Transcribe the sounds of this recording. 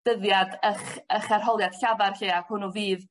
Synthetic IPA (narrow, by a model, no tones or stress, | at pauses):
d̥əðjadəχəχɛrɦɔlˠjad̥ɬavarɬiːakhʊnɔviːð